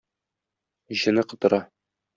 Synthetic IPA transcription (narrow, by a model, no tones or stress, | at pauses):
ʑɤ̆nɤqɤ̆t̪ɤ̆ɾɑ